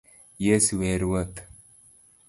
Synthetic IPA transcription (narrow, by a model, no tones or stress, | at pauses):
jesweɾwɐt̪